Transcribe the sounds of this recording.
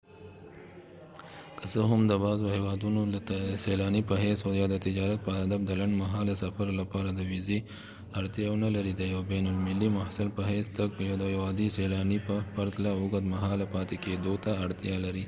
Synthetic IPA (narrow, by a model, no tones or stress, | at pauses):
kəsəɦʊmd̪əbɑzohewɑd̪unoselɑːnipəɦesojɑd̪ət̪ɪd͡ʒɑɾat̪̚pəɦɐd̪afd̪əlaɳɖmaɦɑːlasɐfaɾlapɑɾad̪əwizi | ɐɽt̪jɑwnalaɾid̪əjawbenʊlmɪlːimahsɪlpəɦest̪ak̚pjad̪əjawɑːd̪iselɑnippɐɾt̪laoɡad̪maɦɑlapɑːt̪eked̪ot̪aːɽt̪jɑlaɾi